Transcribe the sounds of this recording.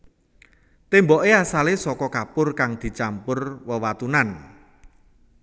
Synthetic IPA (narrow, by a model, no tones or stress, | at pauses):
t̪embɔʔeasalesɔkɔkapʊrkaŋd̪̥i̤t͡ʃampʊrwəwat̪unan